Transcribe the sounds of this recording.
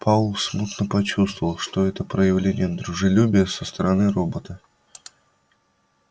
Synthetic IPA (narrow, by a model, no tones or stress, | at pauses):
pʰalˠsmut̪nəpɐt͡ɕust̪vəvəlˠʂt̪oɛt̪əpɾəjɪvlʲenʲɪjəd̪ɾʊʐɨlʲubʲɪjəsəst̪əɾɐnɨrobət̪ə